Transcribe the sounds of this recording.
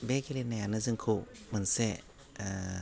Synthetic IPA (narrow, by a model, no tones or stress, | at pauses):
bekelinajanɯzɯŋkʰu | mɯnse